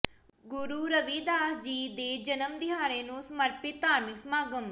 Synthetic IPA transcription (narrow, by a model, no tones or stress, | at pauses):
ɡʊɾuːɾəʋiːd̪aːsd͡ʒiːd̪eːd͡ʒənəmd̪ɪɦaːɾeːnũːsəməɾpɪt̪t̪aːɾmɪksmaːɡəm